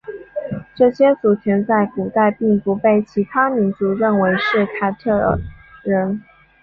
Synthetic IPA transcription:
ʈ͡ʂɤ˥˩ɕjɛ˥t͡su˨˩t̪ʰjɛ˧˥nt͡sa˥˩ɪku˨˩t̪a˥˧ɪpi˥˩ŋpu˧˥pe˥˩ɪt͡ɕʰi˧˥t̪ʰa˥mi˧˥nt͡su˧˥ɻə˥˩nwe˧˥ɪʂɻ̩˥˩˧kʰa˥˧ɪʈ͡ʂʰɤ˥˩d̪ə̰˩ɻə˧˥n

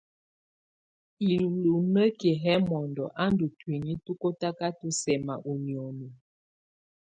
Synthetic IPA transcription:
i˨llu˨nə˦ke˨ɦɛ˦mɔ˨ndɔ˨ʔa˦ndu˨twi˨ɲi˦tu˦ko˦ta˦ka˦tu˦sɛ˨ma̰˨ʔu˨n˨ɔ˨nu˨

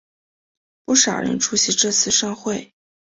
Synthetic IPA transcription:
pu˥˩ʂɑ˨˩ʊɻə̰˧˥nʈ͡ʂʰu˧˥ɕi˧˥ʈ͡ʂɤ˥˧t͡sʰɹ̩˥˧ʂɑ˥˧ŋxwe˥˩ɪ

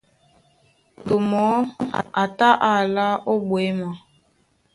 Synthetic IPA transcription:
to˨mɔ˨˦a˨ta˦ʔa˨la˦ʔo˦ɓwe˨˦ma˨˦

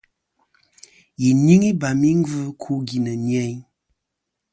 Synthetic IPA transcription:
ji˨ni˦ŋi˦ba˨mi˦ŋ̩˦vɨ˦kʰu˦ɡi˨nə˨n˦ɛ˦ɲ

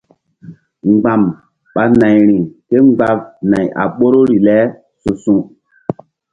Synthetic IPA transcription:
ŋ͡mɡ͡ba˨m | ɓa˨na˨jɾi˨ŋke˦ŋ͡mɡ͡ba˦vna˨ja̰˨ɓo˦ɾo˦ɾi˨lɛ˦ | su˨sũ˦

